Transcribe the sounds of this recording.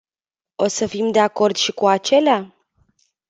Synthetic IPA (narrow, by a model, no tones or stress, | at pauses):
o̞səfimd̪e̞ako̞rd̪ʃikuat͡ʃe̞lea